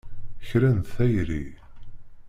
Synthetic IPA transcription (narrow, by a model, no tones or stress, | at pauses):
çɾænt̪θæjɾi